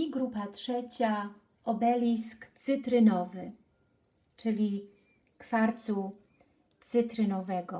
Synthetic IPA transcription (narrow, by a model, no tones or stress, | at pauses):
ɡɾupatʂɛt͡ɕa | ɔbɛlʲiskt̪sɘt̪ɾɘnɔvɘ | t͡ʂɘlʲi | kfaɾt̪su | t̪sɘt̪ɾɘnɔvɛɡɔ